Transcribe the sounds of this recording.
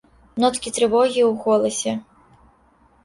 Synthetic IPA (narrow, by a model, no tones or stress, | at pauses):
nɔt̪kʲit̪ɾɨvɔɣʲiwɣɔlˠɐsʲɛ